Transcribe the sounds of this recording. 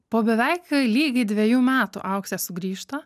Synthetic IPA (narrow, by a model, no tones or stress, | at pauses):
poːbʲɛʋʲɛɪklʲiːɡʲɐɪd̪ʲʋʲɛjuːmʲæːt̪ṵʔɐʊksʲɛsʊɡɾʲiːʃt̪ɐ